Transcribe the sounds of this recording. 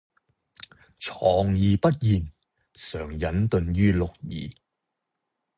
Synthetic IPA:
t͡ʃʰɔː˨˩ŋjiː˨pɐ˥t̚jiː˨n | sœː˨˩ŋjɐ˨˥nt̪ɵ˨˧njyː˥lʊ˨k̚jḭː˨˩

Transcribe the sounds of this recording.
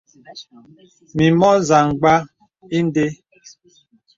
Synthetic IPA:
mi˨mɔ˦za˨ŋ˨ɡ͡ba˦ | i˦n˦de˦

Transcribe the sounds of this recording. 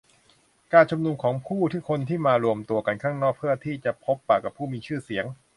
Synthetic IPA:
kaː˧nt͡ɕʰu˧mnu˧mkʰɔː˩˦ŋpʰuː˥˩t̪ʰi˥˩kʰo˧nt̪ʰiː˥˩maː˧ɾu˧əmt̪u˧ɐka˧nkʰaː˥˩ŋnɔː˥˩k̚pʰɯ˥˩ɐt̪ʰiː˥˩t͡ɕa˨˩pʰo˦˥pːaː˨˩kːa˨˩pʰːuː˥˩miː˧t͡ɕʰɯː˥˩si˩˦əŋ

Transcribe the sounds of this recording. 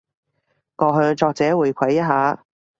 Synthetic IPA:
ŋɔː˨˧ɦɵ˧ɥt͡ʃɔː˧k̚t͡sɛː˨˥wuː˨˧jkʷʰɐ˨˥jːɐ˥ɦaː˨˥

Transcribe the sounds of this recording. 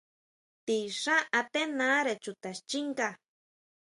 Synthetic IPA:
t̪i˧ʂã˦ʔa˧t̪e˦nã˦ɾe˨t͡ʃu˨t̪a˨ʃt͡ʃi˦ŋka˧˨

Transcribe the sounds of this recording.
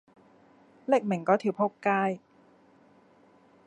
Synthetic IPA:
le˥˩k̚me˨˩ŋkɔː˨˥t̪ʰiː˨˩pʰo˥kkaː˥˩j

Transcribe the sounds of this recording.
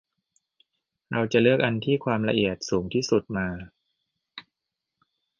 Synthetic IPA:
ɾa˧wt͡ɕa˨˩lɯ˥˩ək̚ʔa˧nt̪ʰiː˥˩kʰwaː˧mla˧ʔi˨˩ət̪̚suː˩˦ŋt̪ʰiː˥˩su˨˩t̪̚maː˧

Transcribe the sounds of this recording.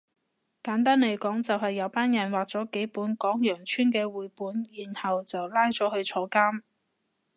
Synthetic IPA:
kaː˨˥nt̪aː˥nle˨˩jkɔː˨˥ŋt͡sɐ˨wɦɐ˨jːɐ˨˧˥wpaː˥njɐ˨˩nwaː˨k̚t͡sɔː˨˥ke˨˥jpuː˨˥nkɔː˨˥ŋjœː˨˩ŋt͡ʃʰyː˥nkɛː˧wuː˨jpuː˨˥njiː˨˩nhɐ˨wt͡sɐ˨wlaː˥jt͡sɔː˨˥hɵ˧ɥt͡ʃʰɔː˧˥kaː˥m

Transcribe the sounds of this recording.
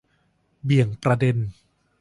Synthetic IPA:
bi˨˩əŋpɾa˧de˧n

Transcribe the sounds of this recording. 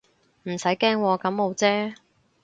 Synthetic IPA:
m̩˨˩sɐ˨˥jkɛː˥ŋwɔː˧kɐ˨˥mmo˨˧wt͡sɛː˥

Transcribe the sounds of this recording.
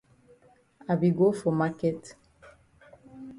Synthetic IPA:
a˨bi˨ɡo˦fɔ˨ma˦kɛ˦t

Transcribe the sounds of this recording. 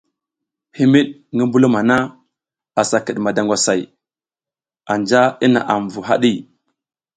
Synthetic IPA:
hi˦mi˦ɗŋɡə˦mbu˦lu˦ma˨na˦ | a˨sa˨kə˨ɗma˨da˨ŋɡʷa˨sa˨j | a˨nd͡ʒa˦i˦na̰˨ʔa˨m˨vu˨ɦa̰˦ɗi˦

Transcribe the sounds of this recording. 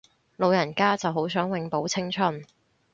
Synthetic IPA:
lo˨˧wjɐ˨˩nkaː˥t͡sɐ˨wɦo˨˥wsœː˨˥ŋwɪ˨˧ŋpo˨˥wt͡sʰɪ˥ŋt͡ʃʰɵ˥n

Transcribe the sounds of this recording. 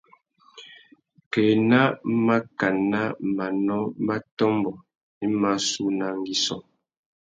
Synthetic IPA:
kɛ˨na˦ma˦ka˨na˦ma˨nɔ˦ba˦tɔ˦mbɔ˨ | i˦ma˦su˦na˨ŋɡi˨sɔ˨

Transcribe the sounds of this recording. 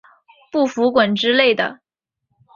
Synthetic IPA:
pu˥˩fu˧˥kwə˨˩nʈ͡ʂɻ̩˥le˥˩ɪd̪ə˩

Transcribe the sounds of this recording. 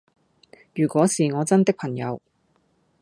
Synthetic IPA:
jyː˨˩kʷwɔː˨˥siː˨ŋɔː˨˧t͡sɐ˥nt̪ɪ˥k̚pʰɐ˨˩ŋjɐ˨˧w

